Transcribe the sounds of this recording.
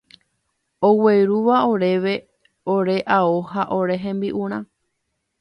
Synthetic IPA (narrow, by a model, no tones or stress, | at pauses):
oweɾuʋaoɾe̞ʋe̞ | oɾe̞ʔaohaʔoɾe̞ɦẽmbiʔũɾ̃ã